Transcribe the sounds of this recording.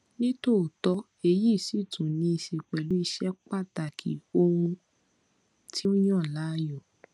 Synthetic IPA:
nĩ˦to˦˨tɔ˨˦ | e˧ji˦˨si˦˨tũ˨nĩ˧i˧ʃe˨k͡pɛ˨lu˦i˧ʃɛ˦k͡pa˦˨ta˨kʰḭ˨o˧ũ˧ | tʰi˦ũ˦j̃ã˦˨la˦jɔ˦˨

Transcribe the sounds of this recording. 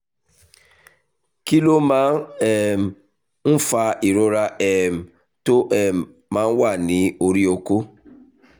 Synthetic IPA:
ki˦lo˦mã˦ɛ˨m˨ | n̩˦fa˦i˨ɾo˦ɾa˦ʔɛ˨m̩˨ | to˦ʔɛ˨ | mã˦n̩˦wa˦˨nĩ˨˦o˨ɾi˦o˨ko˦

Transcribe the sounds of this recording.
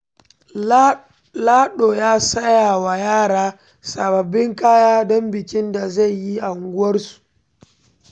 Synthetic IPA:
laː˦ɗoː˨jaː˦sɐ˦jaː˨wa˨jaː˦ɽaː˦ | sa˨bɐ˨bːɪ˦ŋkaː˦jaː˦dɔ˦mbɪ˨kɪ˦nda˨za˦˨jːi˦ʔa˨ŋɡʷʊ˦wɐ˦rsu̥˨ʔ

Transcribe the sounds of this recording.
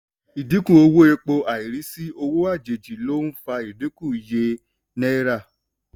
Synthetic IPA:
i˨di˨˦kũ˦˨o˧wo˦e˧k͡po˧ʔa˨i˨ɾi˨˦si˦o˧wo˦a˦˨d͡ʒe˨d͡ʒi˨lo˦n̩˦fa˧i˨di˨˦kũ˦˨je˧ | nɛ˦ɾa˦˨

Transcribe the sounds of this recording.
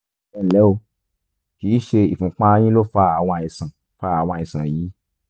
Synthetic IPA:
ɛ˦˨lɛ˨˦o˧ | kiː˨˦ʃe˧ḭ˨fũ˧k͡pã˦j̃ĩ˦lo˦fa˧˦a˨w̃ã˧ĩ˧sã˨ | fa˦a˨w̃ã˧i˧sã˨ji˨˦

